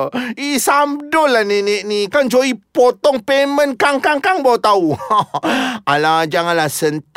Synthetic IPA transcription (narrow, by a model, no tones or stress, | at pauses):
isamdɔlanenɛʔnikand͡ʒoipot̪ɔŋpemə̃nkaŋkaŋkaŋbawt̪au | alad͡ʒaŋanlasənt̪